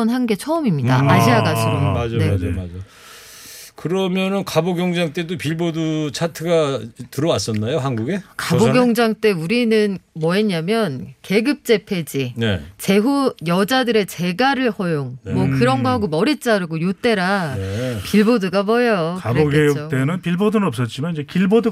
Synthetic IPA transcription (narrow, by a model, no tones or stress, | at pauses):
ʌnɦanɡe̞t͡ɕʰʌɯmimɲida̰aɕʰiaɡasʰɯɾomad͡ʑned͡ʑoad͡ʑo | kɯɾʌmjʌnɯnkaboɡjʌŋd͡ʑaŋt͈e̞dopiɭbodut͡ɕʰatʰɯɡatɯɾʌwas͈ʌnːajoɦanɡuɡe̞kaboɡjʌŋd͡ʑaŋt͈e̞uɾinɯnmwʌɦeɲamjʌnke̞ɡɯp̚t͡ɕ͈e̞pʰe̞d͡ʑinet͡ɕe̞ɦujʌd͡ʑadɯɾe̞t͡ɕe̞ɡaɾɯɭɸʌjoŋnmwʌkɯɾʌnɡaɦaɡomʌɾit͡ɕ͈aɾɯɡojot͈e̞ɾa | piɭboduɡamʌjokaboɡet͈enɯnpiɭbodunɯnʌp̚s͈ʌt̚t͡ɕ͈imanind͡ʑekiɭbodu